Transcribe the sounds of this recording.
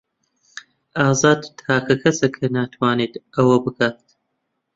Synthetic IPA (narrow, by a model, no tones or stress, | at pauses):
aːzaːd̪t̪ʰaːkʰɐkʰɐsekʰɐnaːt̪ʰwaːneːt̪ɐwɐbɨkʰaːt̪